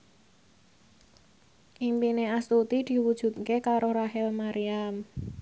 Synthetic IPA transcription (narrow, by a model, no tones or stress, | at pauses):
ʔimpineast̪ut̪id̪̥i̤wud̥ʒ̥ṳt̪̚kekaɾoɾaɦɪlmaɾiam